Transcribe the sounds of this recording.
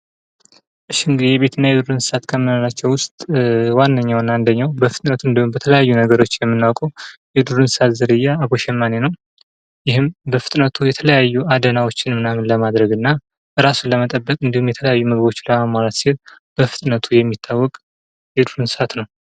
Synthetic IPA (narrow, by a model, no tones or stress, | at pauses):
ʔɨʃːiɨŋɡɨd̪ebe̞t̪ʰɨnːajɛd̪uɾɨnsɨ̥sat̪kʰəmːɨnolat͡ʃːɛwwʊst̪ʼwanːəɲːawnːaand̪əɲːawbəfɨt̪ʼnət̪ʰuɨnd̪əumbət̪ʰələjajːunəɡəɾo̞t͡ʃːjɛmːɨnːawkʼuwjɛd̪uɾɨnsɨ̥sat̪zəɾɨjːaːβoʃɛmːanenəw | jɪɦɨmbəfɨ̥t̪ʼnət̪ʰujɛt̪ʰələjajːuad̪ənawot͡ʃːɪnmɨnamɨnləmad̪ɾəɡɨnːa | ʔɨɾasuləmət̪ʼəbːəkʼɨnd̪ihumjɛt̪ʰələjajːuməɡbo̞t͡ʃːləmamaɾat̪silb̥əfɨt̪ʼnət̪ʰujɛmːit̪ʰːawːɔkʼ | jɛd̪uɾɨnsɨ̥at̪nəw